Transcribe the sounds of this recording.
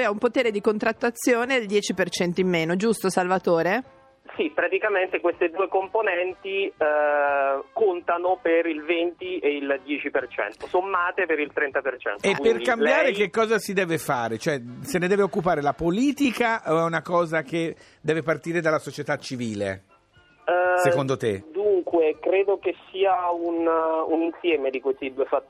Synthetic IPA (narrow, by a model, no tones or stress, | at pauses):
jaumpot̪eːɾed̪ikont̪ɾat̪ːat̪sːjoːneld̪jɛːt͡ʃipert͡ʃɛnt̪oimːeːnod͡ʒust̪osalvat̪oːɾe | sipɾat̪ikament̪ekwest̪ed̪uːekomponɛnt̪i | kont̪anopeɾilvent̪ieild̪jɛːt͡ʃipert͡ʃɛ̰nt̪osomːaːt̪epeɾilt̪ɾɛnt̪apert͡ʃɛ̰nt̪oekipːerkambjaːɾekekːɔːzasid̪ɛːvefaːɾet͡ʃoɛsened̪ɛːveokːupaːɾelapoliːt̪ikaʔoɛunakɔːzak̟e | d̪ɛːvepart̪iːɾed̪alːasot͡ʃet̪at͡ʃːiviːlḛ | sekond̪ot̪ḛd̪uŋkwekɾeːd̪okesiːaununinsjɛːmed̪ikwest̪id̪uːefat̪ː